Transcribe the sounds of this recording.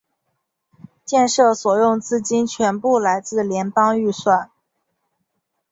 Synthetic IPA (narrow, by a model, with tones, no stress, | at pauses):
t͡ɕjɛ˥˧nʂɤ˥˩swɔ˨˩jʊ˥˧ŋt͡sɹ̩˥˩t͡ɕi˥nt͡ɕʰɥɛ˧˥npu˥˩la˧˥ɪt͡sɹ̩˥˩ljɛ˧˥npɑ˥ŋy˥˧swa˥˩n